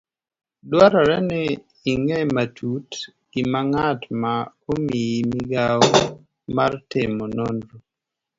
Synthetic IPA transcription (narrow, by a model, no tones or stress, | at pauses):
dwaɾɔɾɛnɪː | ŋematʰut | ɡimaŋatma | omiimɪɡaɔ | ma̰rtɪmonondɾo